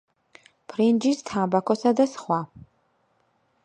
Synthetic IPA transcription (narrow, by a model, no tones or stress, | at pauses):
pʰrind͡ʒistʰaːbakʰʷɔsadasχʷa